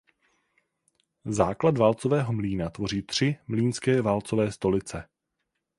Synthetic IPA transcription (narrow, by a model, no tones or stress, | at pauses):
zaːkladvaːlt͡sovɛːɦo̞mliːnat̪vo̞riːt̪r̝̥ɪmliːnskɛːvaːlt͡sovɛːst̪o̞lɪt͡sɛ